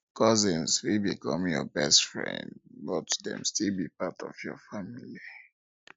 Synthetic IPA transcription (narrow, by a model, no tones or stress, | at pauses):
kɔzɪ̃nzwibikɔ̃mjɔbɛstfɹɛ̰̃ndbɔtdɛ̰̃mstilˠbipatɔ̰vjɔ̰famili